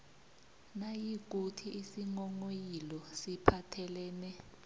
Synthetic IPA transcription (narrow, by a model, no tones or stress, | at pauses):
najik̬ʼutʰiʔisiŋɔŋojilɔsipʰatʰɛlɛːnɛ